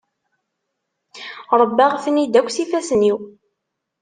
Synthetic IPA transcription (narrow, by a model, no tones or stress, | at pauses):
ɾˤəbːæʁθnid̪ækʷːsifæsəniw